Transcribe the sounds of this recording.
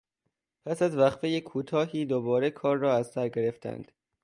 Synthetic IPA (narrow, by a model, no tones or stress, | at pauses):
pʰæsæzvæχfejekʰuːt̪ʰɒːɦiːd̪obɒːɾekʰɒːɾːɒːæzsæɾɟe̞ɾeft̪ʰæ̰nd̪̥